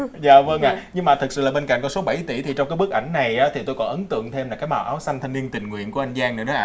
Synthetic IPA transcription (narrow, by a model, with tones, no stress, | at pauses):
zaː˨˩və˧ŋʔaː˧˨˩ɲɨ˧ŋmaː˨˩t̪ʰɨ˨˩k̚sɨ̰˧˩laː˨˩ɓe˧nka̰˧˩ŋ̟kɔ˨˦so˨˦ɓa˧˩jt̪i˧˩t̪ʰi˨˩t͡ɕɔ˧wŋ͡mkaː˨˦jɓɨ˦˥ək̚ʔa˧˩jŋ̟na˨˩jʔaː˨˦t̪ʰi˨˩t̪o˧jkɔ˨˦nʔə˨˦nt̪ɨ̰˧˨əŋt̪ʰe˧mla˨˩kaː˨˦jɓaː˨˩ʔaː˨˦wsa˧ŋ̟t̪ʰa˧jŋni˧ənt̪ï˨˩ŋ̟ŋwḭ˧˨ənku˧˩əʔa˧jŋ̟zaː˧ŋnɨ̰˨˧˩ɗɔ˨˦ʔaː˧